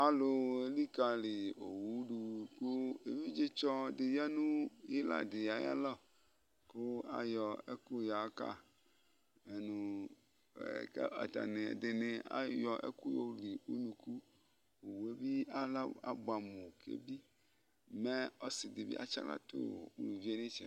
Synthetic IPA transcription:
a˨lo˨e˦li˦ka˨le˨o˨wu˦ɖu˨ko˦e˨vi˦d͡ʒe˦t͡ʃɔ˦de˨ja˦nũ˦je˦la̰˨de˨ja˨˦ja̰˦lɔ˦˨ | ko˦a̰˨jɔ˨ḛ˦ku˦ja˨˦ka̰˦ | e˨nũ˨˦ | a̰˨t̪a̰˨ne˨de˨ne˨a̰˦jɔ˨ʔḛ˦ku˦jo˦li˨u˦nũ˨ku˦ | o˨wu˨e˦bi˦a˦la˦a̰˨ba˨mõ˨kḛ˦bi˦ | me˦ɔ˦si˨d̪e˨bḭ˦a̰˦t͡ʃa̰˦la̰˦t̪o̰˦˨wṵ˦lu˨vi˦e˦ne˦t͡ʃɛ˨

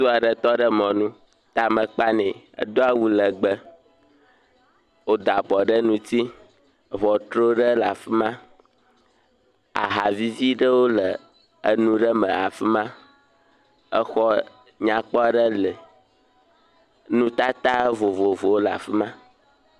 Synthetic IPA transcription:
su˦a˨ɖə˦t̪ɔ˦ɖə˦mɔ̃˨nũ˦ | t̪a˨mə̃˨k͡pa˦nɛ̃˨ | ə̰˦d̪o˦a˦wu˦lə˨ɡ͡bə˦ | wo˦d̪a˨bɔ˨ɖə˦nũ˦t̪i˦˨ | vɔ˨t̪ɾo˦ɖə˦la˨fi˦mã˦ | a̰˨ɦa˨vi˦vi˦ɖə˦wo˦lə˨ | ə̰˨nũ˦ɖə˦mə̃˨a̰˨fi˦mã˦ | ə˦xɔ˦ | ɲã˨k͡pɔ˦a˨ɖə˦lə˨ | nũ˦t̪a˦t̪a˦vo˨vo˨vo˨wo˦la̰˨fi˦mã˦

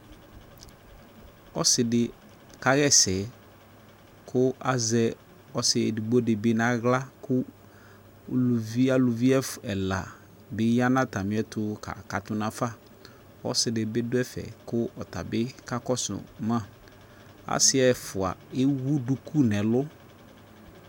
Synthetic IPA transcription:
ɔ˦sɪ˨dɪ˨ | ka˦ɣɛ˦˨sɛ˨ | kʰʊ˦a˨zɛ˦ | ɔ˨sɪ˨ɛ˨di˨ɡ͡bɔ˦dɪ˨bɪ˦nã˦ɣla˦kʊ˦˨ | lu˨vi˦a˦lʊ˨vi˦ɛ˦fɛ˨la̰˨ | bɪ˦ja˦nã˦ta˨mɪ̃˨˦ɛ˦tʊ˨ka̰˨ka˨tʊ˦nã˨fa˦ | ɔ̰˦sɪ˨dɪ˨bɪ˦dʊ˦ɛ˦fɛ̰˨kʊ˦ɔ˨ta̰˨bɪ˦ka˦kɔ˦sʊ̰˨mã˦˨ | a̰˦sɪ˦ɛ˨fʊ˨a̰˨ɪ˦wu˦du˨kʰu˦nɛ̃˨lʊ˦

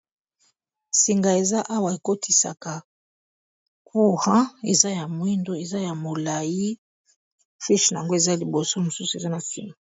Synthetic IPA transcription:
si˨ŋɡa˨e˨za˦ʔa˦wa˨e˨ko˦tʰi˨sa̰˨ka˨ | kʰu˦ʁɑ̃˦e˨za˦ja˨mwi˦ndo˦e˨za˦ja˨mo˨la˨ji˦ | fi˦ʃna˨a˨ŋɡo˦e˨za˦li˨bo˨so˦mo˨su˦su˨e˨za˦na˨fḭ˦ni˨

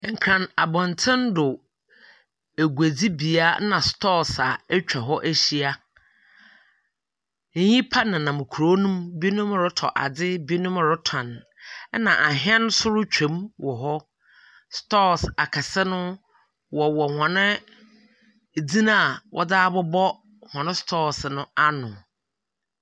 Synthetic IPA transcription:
ŋ̩˨kʰɾã˨na˨bɔ̃˨n˨tʰɪ̃˦ndʊ˨ | æ˨ɡu˨æ˨d͡zi˦bi˨a˦nã˨stɔ˦sa˨ɛ˦t͡ɕᶣɛ˨ɦɔ˦ʔæ˦ɕi˦a˦ | ɲĩ˦pʰa˦nã˨nã˨mʊ̃˨kʰu˨ɾo˦nũ˦mbi˦nʊ̃˦m˦ɾʊ˦tʰɔ̰˨ʔa̰˨d͡zɪ˦bi˦nʊ̃˦m˨ɾʊ˦tʰã˨n˦ | nã̰˨ʔa˨ɦɪ˦ɛ̃˦n˦sʊ˦ɾʊ˦t͡ɕᶣʰɛ̃˨˦mwʔɔ˨ɦɔ˦ | stɔ˦sa˨kʰa˨sɛ˦nʊ̃˦ | wɔ˨wɔ˨hɔ̃˨nɪ̃˦˨ | d͡zĩ˦nã˦˨wʔɔ̰˦daː˦bɔ˦bɔ˦ | hɔ̃˨nɪ̃˦stʰɔ˦˨snʊ̃˦a˦nʊ̃˨

